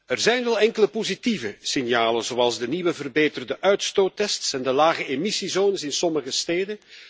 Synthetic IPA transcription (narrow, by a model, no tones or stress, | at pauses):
ərzɛjnʋɛlˠɛŋkələpozitivəsɪnjaːlənzowɑlˠzdəniʋəvərbeːtərdəʔœɥtstoːtɛstsɛndəlaːɣəemisizoːnəsɪnsɔməɣəsteːdən